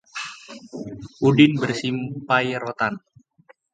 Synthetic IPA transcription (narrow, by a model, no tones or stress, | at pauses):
ʔudɪnbərsimpajɾot̪an